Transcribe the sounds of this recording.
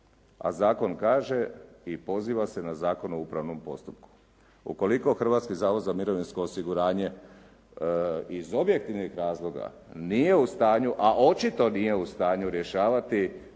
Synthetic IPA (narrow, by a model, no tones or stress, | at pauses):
a̰zaːko̞nkaːʒe̞ipo̞ziːʋase̞nazaːko̞noupɾaʋno̞mpo̞st̪upku̥ | ṵko̞liko̞xr̩ʋat̪skizaːʋo̞d̪zamiɾo̞ʋinsko̞ːsiɡuɾaːɲe̞ | izo̞bje̞k̚t̪iʋnixɾaːzlˠo̞ɡa̰ | nije̞ust̪aːɲuʔaʔo̞t͡ʃit̪o̞nije̞ust̪aːɲuɾje̞ʃaːʋat̪i